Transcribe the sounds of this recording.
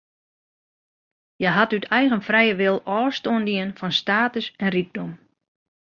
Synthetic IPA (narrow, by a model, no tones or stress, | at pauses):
jɛɦatytʰɛjɣənfrɛjəʋɪlˠɔːstoəndiənfɔnstaːtəsɛnrik̚dom